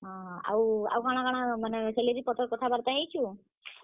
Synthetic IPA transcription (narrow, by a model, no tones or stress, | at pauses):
ɦɔ̃a̰wa̰wɡaɽ̃aɡaɽ̃amaneseleɾipɔt̪ʰɔɾkɔt̪ʰabaɾt̪aɦejt͡ʃʰu